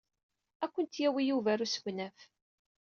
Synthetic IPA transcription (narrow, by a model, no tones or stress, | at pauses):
ækʷːənt̪jæwijuvæɾusəɡʷnæf